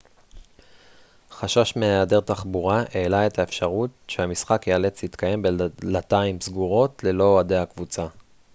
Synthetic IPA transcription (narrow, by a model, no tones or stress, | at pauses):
χaʃaʃmeaadeʁt̪aχbuʁaʔe̞ːlae̞thaefʃaʁutʃehamisχakjeale̞t͡shit̪kaje̞mbelataimsɡuʁo̞tle̞lo̞ade̞hakvut͡sa